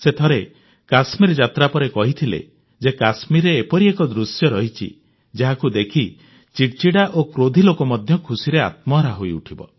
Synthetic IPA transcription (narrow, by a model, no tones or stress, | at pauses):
set̪ʰɔɾe | kasmiɾd͡ʒat̪ɾapɔɾekɔɦit̪ʰilḛ | d͡ʒekasmiɾeːpɔɾiekɔd̪ɾusjɔɾɔɦit͡ʃʰḭ | d͡ʒaɦakud̪ekʰi | t͡ʃiʈt͡ʃiɽaʔokɾod̪ʱilokɔmɔd̪ʱjɔkʰusiɾea̰t̪̚mɔɾaɦoiuʈʰibɔ̰